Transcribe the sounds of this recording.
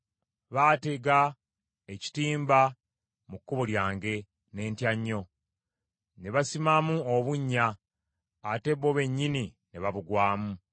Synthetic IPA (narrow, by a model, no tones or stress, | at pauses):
βateɡa | eci̥tiːmba | mukːuβoljaːŋɡe̞ | ne̞ːntjaɲːo̞ | ne̞βasimamuoβuɲːaː | te̞βo̞βe̞ɲːini | ne̞βaβuɡwaːmu